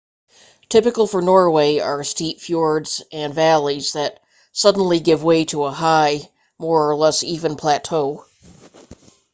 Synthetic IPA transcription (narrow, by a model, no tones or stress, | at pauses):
tʰɪpɨkl̩ˠfə˞nɔɹweɪə˞stipfjɔɹdzʔɨ̃nvælˠizðɨt̚ | sʌdⁿn̩liɡɪvweɪɾəəɦaɪ | mɔɹə˞lɛsivɨ̃npʰl̥ætʰoʊ